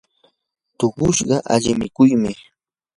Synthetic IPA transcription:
t̪oɢʊʃɢɑʔaʎɪmɪkʊjmɪ

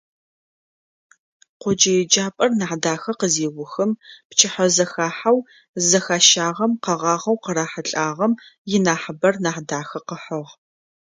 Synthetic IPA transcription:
qʷʊd͡ʒɐjɛd͡ʒaːpʼɐrnaːħdaːxɐqəzeːwʊxɨmpt͡ʃʰɪħɐzɐxaːħaw | zɐxaːʃaːʁɐmqɐʁɑːʁɐwqəɾaːħəɬʼaːʁɐmjɪnaːħəbɐrnaːħdaːxɐqəħəʁ

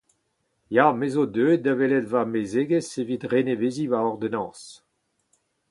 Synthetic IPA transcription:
jaːmezodøːdavelɛdvamezeːɡesevit̪ʁeneveːzivaɔʁd̪enɑ̃ːs

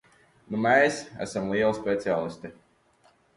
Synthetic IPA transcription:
numɛjsæ̰samlˠiɛlˠspʲet̪siaːlˠist̪i

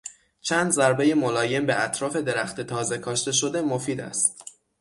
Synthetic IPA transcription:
t͡ʃʰæːnd̪zæɾbe̞je̞molɒːje̞mbeæt̪ʰɾɒːfe̞d̪e̞ɾæxt̪et̪ʰɒːze̞kʰɒːʃt̪e̞ʃo̞d̪e̞mofiːd̪æ̰st̪

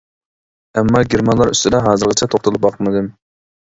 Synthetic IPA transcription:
ɛmːɑɡʲeɾmɑnlˠɑɾy̰st̪ɪd̪ɛɦɑːzɨɾʁət͡ʃʰɛt̪ʰoχt̪ʰʊlˠup̚bɑqʰmɨd̪ɨm

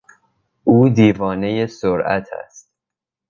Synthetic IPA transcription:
ʔuːd̪iːvɒːne̞jesoɾæ̰t̪ʰæ̰st̪

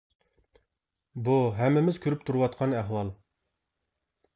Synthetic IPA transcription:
buɦɛmːɪmɪz̥kʲʰøɾyp̚t̪ʰuɾuwɑt̪̚qʰɑnæɦwɑlˠ

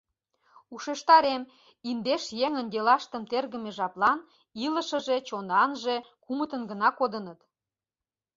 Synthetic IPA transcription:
uʃeʃt̪ɑɾem | ind̪eʃjeŋə̆nd̪ʲelɑʃt̪əmt̪erɣə̆meʒɑplɑn | ilə̆ʃə̆ʒet͡ɕonɑnʒe | kumət̪ənɡənɑkod̪ənət̪

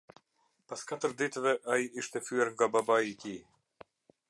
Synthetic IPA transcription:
paskat̪əɾd̪it̪ɛvɛʔaiiʃt̪ɛfyɛɾŋɡababait̪i

